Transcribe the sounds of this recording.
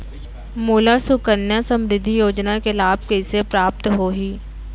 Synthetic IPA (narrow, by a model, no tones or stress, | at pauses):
muːlasʊkənjasə̃mɾɪd̪ʱːijoːd͡ʒnakelaːb̚kesepɾaːp̚t̪ɦoːɦiː